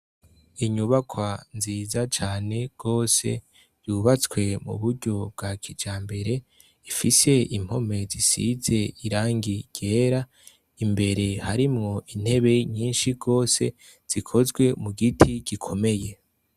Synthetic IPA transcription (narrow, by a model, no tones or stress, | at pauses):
iɲuβakwanziːzat͡ʃaːne̞ɡ̥o̞ːse̞̰ | juβat͡skwe̞mṵβuɾɟo̞b̚ɡakʰid͡ʒaːmbe̞ɾe̞ | ifise̞im̥ho̞me̞zisḭze̞iɾaːŋɡiɟ̥e̞ːɾa | imbe̞ɾe̞haɾimŋo̞ʔin̥he̞βe̞ɲiːnʃiɡo̞ːse̞̰ | z̥ikʰo̞zɡwe̞muɡitʰiɡikʰo̞me̞je̞